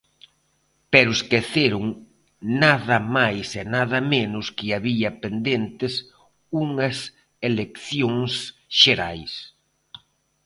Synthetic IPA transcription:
pɛɾʊeskeθeɾʊŋ | naðɐmajsenaðɐmenʊskɪaβiɐpend̪ent̪ɪs | uŋɐs | elekθjoŋs | ʃeɾajs

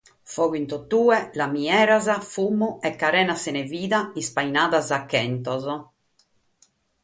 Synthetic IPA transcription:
fɔɣint̪ɔt̪ːuːɛlamiɛːɾazafumːuɛkːaɾɛːnasɛnɛviːðaispainaːðazakːɛnt̪ɔzɔ

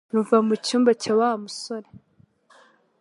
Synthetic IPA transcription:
uɱvamucuːmbacawahamusoɾe

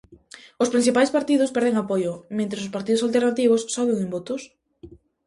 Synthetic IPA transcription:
ʊspɾin̟θipajspaɾt̪iðʊspɛɾð̞eŋapojʊmẽnt̪ɾesʊspaɾt̪iðʊsalt̪eɾnat̪iβ̞ʊsːɔβeŋẽmbot̪ʊs

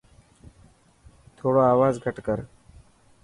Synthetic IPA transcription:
t̪ʰoːɽoːaːʋaːzɡʱəʈkəɾ

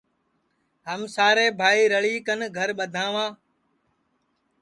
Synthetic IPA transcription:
ɦəmsaːɾeːbʱaːiːɾəɭiːkənɡʱəɾɓəd̪ʱãːʋãː

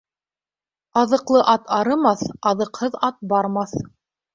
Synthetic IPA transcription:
ɑðɤ̆qlˠɤʔɑt̪ɑɾɤ̆mɑθɑðɤ̆qhɤðɑt̪̚bɑɾmɑθ

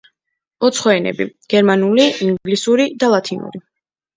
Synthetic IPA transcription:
ɔt̪sʰχɔɛnɛ̰biɡ̥ɛɾmanuliiŋɡlisuɾid̪alˠat̪ʰinṵɾi

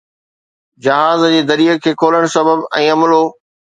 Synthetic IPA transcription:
d͡ʑɐɦaːzd͡ʑeːd̪ɐɾijəkʰːeːkʰoːləɽ̃sɐbəbɛ̃ːɐmloː

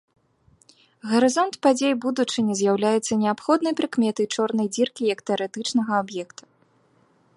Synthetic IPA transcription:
ɣɐɾɨzɔnt̪pad͡zʲejbud̪ut͡ʂɨnʲɛzʲjawlʲajɛt̪sːɐnʲɛapxɔd̪nɐjpɾɨkmʲɛt̪ɐjt͡ʂɔrnɐjd͡zʲirkʲijɐkt̪ɛɐɾɛt̪ɨt͡ʂnɐɣɐabjɛkt̪ʰu̥

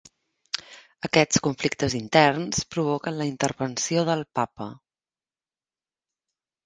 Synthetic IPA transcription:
əkɛt͡skuɱflik̚t̪əzint̪ɛrnspɾuβokənləint̪ərβənsioðəlˠpapə

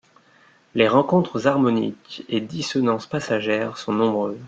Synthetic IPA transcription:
leʁɑ̃kɔ̃t̪χəzaʁmɔnḭked̪isɔnɑ̃spasaʒɛʁsɔ̃nɔ̃bʁøːz

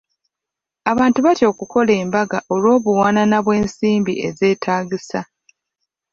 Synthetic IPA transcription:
aβaːntuβatjo̞ːkuko̞le̞ːmbaɡaʔo̞lwo̞ːβuwaːnanaβwe̞ːnsiːmbḭʔe̞̰ze̞ːtʰaːɡisa

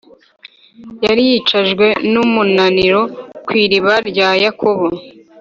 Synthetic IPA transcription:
jaɾijit͡ʃaʒɡwe̞numunaniɾo̞kwiːɾiβaɾɟaːjakʰoβo

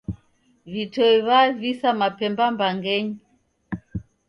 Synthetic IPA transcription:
vitɔiβavisamapɛmbambaŋɡɛɲii

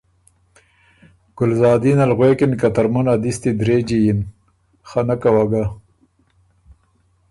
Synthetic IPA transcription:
ɡ̥ʊlzɑːd̪inɐlɣwekinkat̪ɐɾmɐnad̪ist̪id̪ɾeːd͡ʑijin | xanakawaɡa

